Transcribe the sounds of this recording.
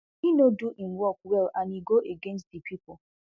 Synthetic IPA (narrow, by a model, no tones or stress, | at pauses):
inoduʔin̩wɔk̚wɛlaniɡoʔeɡẽnstdipʰipo